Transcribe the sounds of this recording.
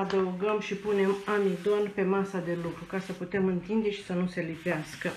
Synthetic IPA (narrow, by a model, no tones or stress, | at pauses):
ad̪əuɡəmʃipune̞mamid̪o̞npe̞masad̪e̞lukɾukasəput̪e̞mɨnt̪ind̪e̞ʃi̥sənuse̞lipeaskə